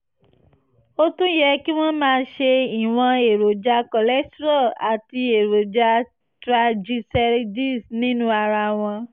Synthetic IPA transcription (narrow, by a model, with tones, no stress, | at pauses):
o˦tũ˦jɛ˧ki˦w̃ɔ̃˦mãː˧ʃe˧i˨w̃ɔ̃˧e˨ɾo˨d͡ʒa˧kɔ˨lɛ˦stɾɔ˦˨a˨ti˧e˨ɾo˨d͡ʒa˧ | tɾa˧d͡ʒi˧sɛ˧ɾdi˦˨snĩ˨˦nũ˦a˧ɾa˧w̃ɔ̃˧